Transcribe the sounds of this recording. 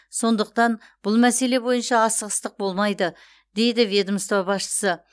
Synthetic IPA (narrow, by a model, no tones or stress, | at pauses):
so̞nd̪əq̚t̪ɑn | b̥ʊlˠmæse̞le̞bo̞jənʃɑːsəʁəst̪əq̚bo̞lˠmɑjd̪ə | d̪e̞jd̪ɪvʲe̞d̪əmst̪oɑbɑsʃə̥sə